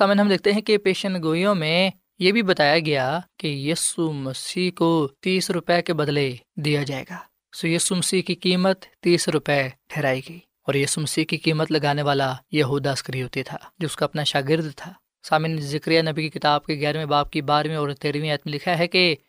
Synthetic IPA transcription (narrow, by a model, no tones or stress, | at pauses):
saːmɪnɦɐmd̪eːk̚ʰt̪eɦɛ̃kepeːʃənɡoːjõmẽ | jebʱibɐt̪aːjaɡɐjakejiːsumɐsiːɦkot̪iːsɾʊpɛkebɐd̪led̪ijad͡ʒaːḛːɡaː | sojiːsumɐsiːɦkikiːmət̪ːiːsɾʊpɛʈʰɛːɾaːiɡɐiː | ɔːɾjiːsumɐsiːɦkikiːmət̪lɐɡaːneʋaːlajɐɦuːd̪askɾiɦoːt̪it̪ʰaːd͡ʒoʊskaɐpnaʃaːɡɪɾd̪t̪ʰaː | saːmɪnzɪkɾijanɐbikikɪt̪aːb̚keɣɛːɾmẽbaːp̚kibaːɾmẽɔːɾt̪eːɾʋĩɛːt̪mẽlɪkʰaɦɛke